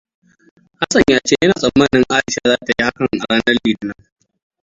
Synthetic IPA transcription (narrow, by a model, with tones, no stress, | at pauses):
ha˦sɐ˨ɲjaː˦t͡ʃeː˦jɐ˦naː˨sʼɐ˨mːɐ˦˨nɪ˦ŋʔaː˦ɐ˨ʃa˦zaː˦ta˨ji˦ha˦kɐ˨ŋŋʔa˨ɽaː˦nɐ˦rlːiː˨dɪ˦na˦